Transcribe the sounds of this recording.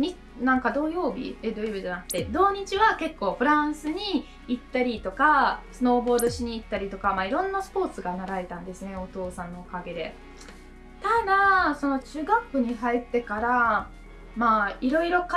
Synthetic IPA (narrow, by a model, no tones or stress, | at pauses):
ɲi | nãŋkad̪o̞ːjo̞ːbʲḭed̪o̞ːjobiʑanakɯ̟̥t̪ːe̞d̪o̞ːɲ̟it͡ɕiβake̞kːo̞ːɸɯ̟ɾãɰ̃sɨɲ̟iː | t̪ːaɾʲit̪o̞kasɨno̞ːbo̞ːd̪o̞ɕiɲ̟iːt̪ːaɾʲit̪o̞kamaiɾõ̞nːasɨ̥po̞ːt͡sɨɡanaɾaet̪ãnd̪e̞sɨne̞o̞t̪o̞ːsãnːo̞ːkaɡe̞d̪e̞ | t̪ad̪aso̞no̞t͡ɕɨːɡakːɯ̟ɲ̟iɦait̪ːe̞kaɾa | maiɾo̞iɾo̞k